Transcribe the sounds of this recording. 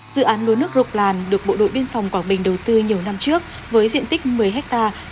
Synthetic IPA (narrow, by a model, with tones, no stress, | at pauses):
zɨ̰˧˨ʔaː˨˦nlu˨˦nɨ˦˥ək̚zʊ˨˩k͡p̚laː˨˩nɗɨ˨˩ək̚ɓo̰˧˨ɗo̰˧˨ɓi˧ənfɔ˨˩wŋ͡mkwaː˧˩nɓï˨˩ŋ̟ɗə˨˩wt̪ɨ˧ɲi˨˩əwna˧mt͡ɕɨ˦˥ək̚ | vəː˨˦jzḭ˧ənt̪ï˦˥k̟̚mɨ˨˩əjɦɛ˦˥k̚t̪aː˧